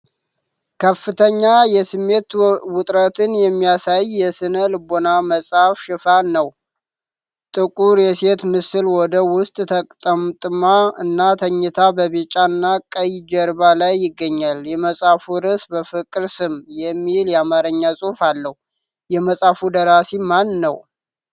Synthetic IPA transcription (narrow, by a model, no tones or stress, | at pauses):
kʰəfːɨt̪ʰəɲːajɛsɨmːe̞t̪wʊt̪ʼɾət̪ʰɨnjɛmːijasajːɛsɨnəlɨbonaməsʼafʃɪfanəw | t̪ʼɨkʼuɾjɛse̞t̪mɨsɨlwɔd̪əwʊst̪ʼt̪ʰəkʼt̪ʼəmt̪ʼɨmaɨnːat̪ʰəɲːɨt̪ʰabəβet͡ʃʼːaɨnːakʼəjd͡ʒəɾbalajːɪɡːəɲːaljɛməsʼafuɾɨsbəfɨkʼɨɾsɨmjɛmːiljɛamaɾəɲːasʼufalːəhu | jɛməsʼafud̪əɾasimanːəw